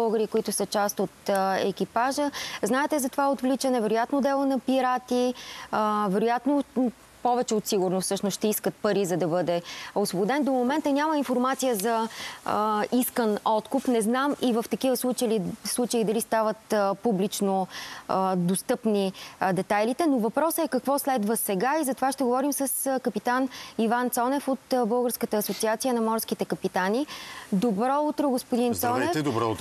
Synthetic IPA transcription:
oɡəɾikoit̪ʊsət͡ʃast̪ot̪ɛkipaʒəznaɛt̪ɛzɐt̪ovaot̪vlit͡ʃənɛvɛɾʊjat̪nod̪ɛlˠonɐpiɾat̪iəvɛɾʊjat̪no | pɔvɛt͡ʃɛot̪siɡʊɾnofsɤʃnosʃt̪ɛiskət̪̚pɐɾizɐd̪ɐbɤd̪ɛosvobʊd̪ɛnd̪omomɛnt̪ənʲaməinfoɾmat̪sijəzɐ | iskənɔt̪kupnɛznamivəft̪ɐkivəslˠut͡ʃəislˠut͡ʃəid̪ɐlist̪avət̪publit͡ʃno | d̪ost̪ɤpnid̪ɛt̪ajlit̪ɛnovɐpɾɔsəɛkɐkvɔslɛd̪vəsɛɡaizɐt̪ovaʃt̪ɛɡovɔɾimsəskəpit̪anivant̪sɔnɛfot̪bɤlˠɡəɾskət̪əːsot̪siat̪sijənɐmɔɾskit̪ɛkəpit̪anid̪obɾɔut̪ɾoɡospʊd̪insɔnɛfd̪bɾɔt̪

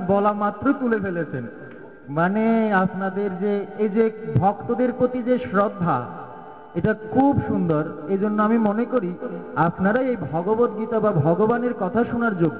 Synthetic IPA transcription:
bɔlamat̪ːɾot̪ulepelet͡ɕʰen | maneapnad̪eɾd͡ʑeed͡ʑebʱɔkt̪od̪eɾpɾot̪id͡ʑeʃɾɔd̪ʱːa̰ | eʈakʰubʃund̪oɾed͡ʑonːoamimonekoɾiapnaɾaejbʱɔɡobot̪̚ɡit̪obabʱɔɡobaneɾkɔt̪ʰaʃonaɾd͡ʑoɡ

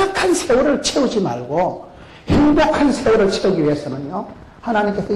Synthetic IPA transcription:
akʰansʰe̞wuɾɯɭt͡ɕʰeud͡ʑima̰ɭɡo | heŋbokʰansʰewuɾɯɭt͡ɕʰeuɡiɥies͈ɯmjɯnjo | hanaɲimk͈e̞sʰʌ

